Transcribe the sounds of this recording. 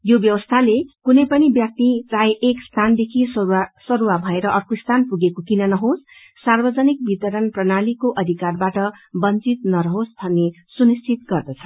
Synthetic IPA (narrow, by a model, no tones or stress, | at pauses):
jobjʌwʌst̪ʰalekunʌjpʌnibjʌk̚t̪irajʔekst̪ʰand̪ekʰisʌɾuwabʱʌeɾʌʔʌrkost̪ʰanpuɡekokinʌnʌɦos | sarbʌd͡zʌnik̚bit̪ʌɾʌnprʌnalikoʔʌd̪ʱikarbaʈʌbʌnt͡sit̪nʌɾʌɦosbʱʌnːe | sunist͡sit̪̚ɡʌrd̪ʌt͡sʰʌ